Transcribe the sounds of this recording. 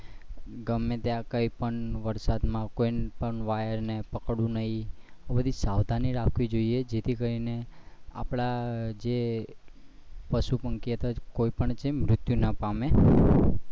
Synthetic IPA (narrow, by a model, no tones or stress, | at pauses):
ɡəmːed̪jakəipəɳʋəɾsad̪mãkoinpəɳʋajəɾnepəkɽũnəɦiobəd̪ʱisaʋd̪ʱaniɾakʰʋid͡ʒoied͡ʒet̪ʰikəɾinea̰pɭad͡ʒe | pəʃupəŋkiət̪akoipəɳt͡ʃʰemɾʊt̪junapame